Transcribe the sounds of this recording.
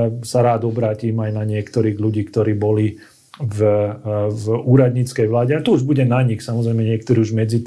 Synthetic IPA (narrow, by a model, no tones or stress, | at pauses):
saɾaːd̪ɔbɾaːciːmajnaɲɪɛkt̪ɔɾiːɣluɟiːkt̪ɔɾiːbɔli | v | vuːɾad̪ɲiːt͡skɛjʋlaːɟɛat̪ɔuʒbuɟɛnaɲixsamɔzɾɛjmɛɲɪɛk̚t̪ɔɾiːuʒmɛd͡zit̪